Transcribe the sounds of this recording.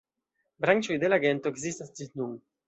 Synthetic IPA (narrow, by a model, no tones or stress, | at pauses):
bɾant͡ʃo̞jd̪e̞laɡe̞nto̞ekzistasd͡ʒinun